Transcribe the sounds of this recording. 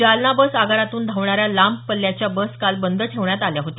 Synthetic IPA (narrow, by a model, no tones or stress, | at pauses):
d͡ʑalnabəsaɡaɾat̪uːnd̪ʱaʋɳaɾjalamp̚pəlːjat͡ɕjabəskalbənd̪ʱəʈʰeʋɳjat̪aljaɦot̪e